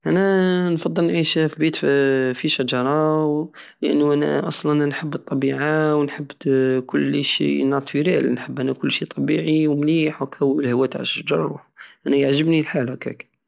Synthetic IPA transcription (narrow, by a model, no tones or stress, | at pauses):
ʔænænfɑd̪ˤːəlnʕiʃfibit̪fiʃæd͡ʒɑɾˤɑw | lʔənːuʔænæ̰ʔɑsˤlnʔnnħəbːət̪ˤːɑbiʕawnħəbːkʊlːʃḭnɑt̪iɾælnħəbːʔænækʊlːʃit̪ˤɑbiʕiwmliħwkʰæwlhəwæt̪ʕa̰lʃəd͡ʒɑrˤṵħʔænæjəʕʒəbnilħalækæ̰k